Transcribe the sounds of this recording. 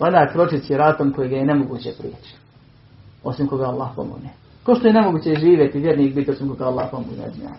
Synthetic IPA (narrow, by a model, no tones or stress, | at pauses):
anaːpɾo̞t͡ʃisjeɾaːt̪omkojiɡajenemoɡṵːt͡ɕepɾḭːt͡ɕi̥ | o̞simko̞ɡaalˠːaːhpo̰mo̰ɡne | koʃt̪ojene̞moɡuːt͡ɕeʒiːʋjet̪iʋjeɾniːkbit̪iosimkoɡaalˠːaːhpomo̰ɡnḛzma̰